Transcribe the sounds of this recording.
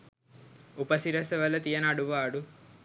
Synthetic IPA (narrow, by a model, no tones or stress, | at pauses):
upɐsiɾɐsɐʋɐlːɐt̪ijɐnɐɽuʋaːɽu